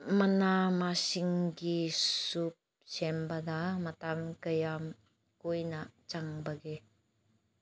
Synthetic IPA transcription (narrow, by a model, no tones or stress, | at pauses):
manamasiŋɡisup̚ | sɛmbad̪amat̪amkəjam | kuinaʔt͡ʃaŋbaɡe